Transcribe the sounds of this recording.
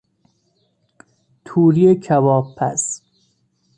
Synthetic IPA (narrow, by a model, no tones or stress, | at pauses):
t̪ʰuːɾijekʰæbɒːbʰæ̰s